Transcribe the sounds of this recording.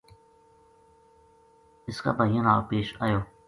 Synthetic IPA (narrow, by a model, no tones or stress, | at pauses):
ɪska̰ːbajãnaːpeːʃaːjoː